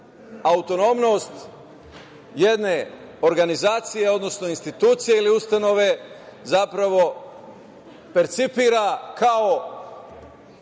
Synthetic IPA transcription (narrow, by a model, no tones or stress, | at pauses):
aut̪o̞no̞mno̞st̪ | je̞d̪ne̞ | o̞ɾɡanizaːt̪sije̞o̞d̪no̞sno̞inst̪it̪uːt̪sijeiliust̪ano̞ʋe̞zapɾaʋo̞ | peɾt̪sipiːɾakʰao